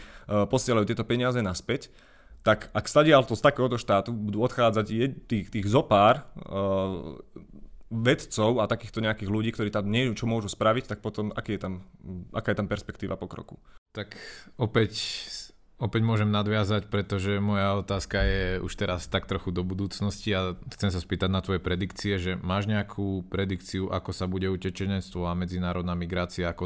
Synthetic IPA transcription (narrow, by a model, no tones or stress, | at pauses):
pɔsɪɛlajut̪ɪɛt̪ɔpɛɲɪazɛnaspɛc | t̪akakst̪aɟɪalt̪ɔst̪akɛːɦɔt̪ɔʃt̪aːt̪ubud̪uːɔt̪xaːd͡zaɟjɛt̪iːxt̪iːɣzɔpaːɾ | ʋɛt̪t͡sɔʊat̪akiːxt̪ɔɲɛakiːɣluɟiːkt̪ɔɾiːt̪amɲɪɛut͡ʃɔmʊɔʒuspɾaʋict̪ak̚pɔt̪ɔma̰kiːjɛt̪amʔa̰kaːjɛt̪ampɛɾspɛkt̪iːʋʔa̰pɔkɾɔ̰kṵt̪akɔpɛc | ɔpɛɟmʊɔʒɛmnad̪ʋɪazacpɾɛt̪ɔʒɛmɔjaɔt̪aːskajɛṵʃt̪ɛɾast̪akt̪ɾɔxud̪ɔbud̪uːt͡snɔsciaxt͡sɛms̬aspiːt̪aɟnat̪ʋɔjɛpɾɛd̪ikt͡siɛʒɛmaːʒɲɛakʰuːpɾɛd̪ikt͡siuʔakɔsabuɟɛucɛt͡ʃɛɲɛnt͡st̪ʋɔamɛd͡zinaːɾɔd̪namiɡɾaːt͡siaːkɔ